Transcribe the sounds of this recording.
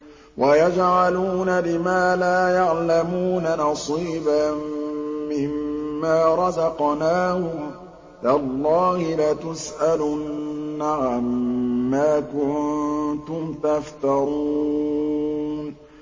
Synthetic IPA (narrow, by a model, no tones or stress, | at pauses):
wʔajad͡ʒʕaluːnalɪmaːlaːjaʕlamuːnanɑsˤiːbamːɪhmːaːɾˤɑzɑqnaːhʊm | dalˤːɑːhɪlat̪ʊsʔalʊnːaʕamːaːkʊnnt̪ʊmt̪aft̪ɑɾu | n